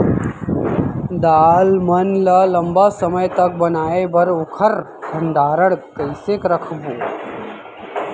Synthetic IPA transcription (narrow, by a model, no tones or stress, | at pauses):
d̪aːlmɐnlɐlɐmbasɐməjt̪ɐk̚bɐnaːebʱɐɾʊkʰɐɾ | bʱɐnd̪aːɾəɽkɐjseːkɾɐkʰboː